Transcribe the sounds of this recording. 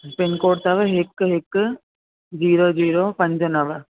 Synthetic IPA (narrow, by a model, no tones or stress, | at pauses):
pɪnkoːʈt̪ɐʋɦɪkɦɪk | d͡ʒiːɾod͡ʒiːɾoːpɐ̃ɲd͡ʒnɐʋ